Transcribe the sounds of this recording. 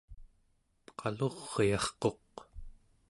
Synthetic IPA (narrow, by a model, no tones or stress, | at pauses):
qʰɑloʁːjɑχqo̞q